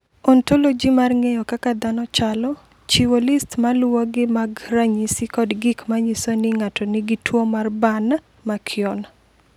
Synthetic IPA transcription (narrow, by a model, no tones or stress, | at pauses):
ɔntolod͡ʒimarŋejɔkakad̪anɔt͡ʃalɔ | t͡ʃiwolistmalwɔɡɪmaɡraɲisɪkɔdɡɪkmaɲisonɪŋatɔnɪɡɪtwomarbana | makʰɪɔna